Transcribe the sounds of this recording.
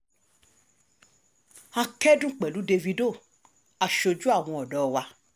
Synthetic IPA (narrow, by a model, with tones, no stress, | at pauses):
a˧kɛ˦dũ˦˨k͡pɛ˨lu˨˦de˧vi˧do˦˨ | a˨ʃo˧d͡ʒu˦a˦˨w̃ɔ̃˧ɔ˨dɔ˨˦˧wa˧